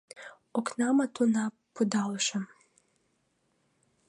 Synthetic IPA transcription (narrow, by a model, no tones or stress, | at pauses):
oknamat̪una | pod̪alˠʃem